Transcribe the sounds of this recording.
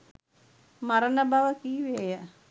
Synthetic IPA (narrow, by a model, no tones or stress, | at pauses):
maɾənəbaʋəkiːʋeːjə